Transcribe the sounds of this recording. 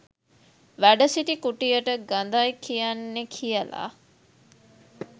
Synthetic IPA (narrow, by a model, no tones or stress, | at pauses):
ʋæɖəsiʈikuʈijəʈəɡand̪ajkʰijanːekʰijəla̰ː